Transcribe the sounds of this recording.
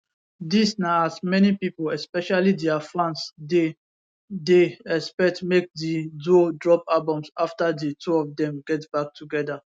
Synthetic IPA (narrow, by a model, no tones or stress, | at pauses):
disnaasmɛnipipolɛspɛʃalidɛafãnsde | deɛspɛtmek̚didodɹɔpalbɔ̃msaftadetʰuɔfdɛ̃mɡɛtb̥ak̚tʰuɡɛda